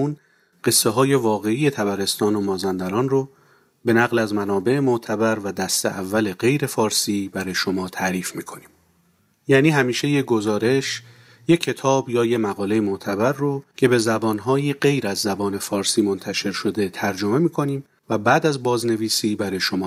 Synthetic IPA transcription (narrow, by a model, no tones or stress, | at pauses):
un | ɢ̥e̞sːe̞ɦɒːje̞vɒːɣe̞ije̞t̪ʰæbæɾe̞st̪ɒːnomɒːzænd̪æɾɒːnro | be̞næɣlæzmænɒːbe̞ʔemot̪ʰæbæɾvæd̪æst̪ḛʔævːæle̞ɢe̞jɾe̞fɒːɾsiːbæɾɒːjeʃo̞mɒːt̪ʰæʔɾiːfmiːkʰo̞niːm | jæːniːɦæmiːʃe̞jeɡo̞zɒːɾe̞ʃ | jecʰːe̞t̪ʰɒːbjɒːjemæɣɒːle̞jemoʔt̪ʰæbæɾːocʰe̞be̞zæbɒːnɦɒːjiɢe̞jɾæzːæbɒːne̞fɒːɾsiːmo̞nt̪ʰæʃe̞ɾʃo̞d̪e̞t̪ʰæɾd͡ʒo̞me̞miːkʰo̞niːm | væbæːd̪æzbɒːzne̞viːsiːbæɾɒːjeʃo̞mɒː